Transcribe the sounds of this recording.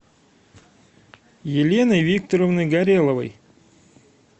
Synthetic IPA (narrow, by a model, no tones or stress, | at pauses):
jelʲenəjvʲik̚t̪oɾovnɨjɡaɾʲelˠova̰j